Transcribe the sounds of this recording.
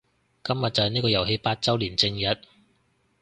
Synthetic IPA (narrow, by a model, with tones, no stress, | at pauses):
kɐ˥mjɐ˨t̚t͡sɐ˨hɐ˨niː˥kɔː˧jɐ˨˩wɦe˧jpaː˧t̚t͡sɐ˥wliː˨˩nt͡sɪ˧ŋjɐ˨˥t̚